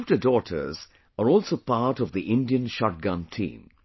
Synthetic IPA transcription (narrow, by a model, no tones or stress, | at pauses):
vtədɔʈʰə̰˞z | əɹɔlsoːpaɹʈɔvðiʔɪ̃ndiə̃nʃɔʈ̚ɡʌ̃ntʰḭ̃ːm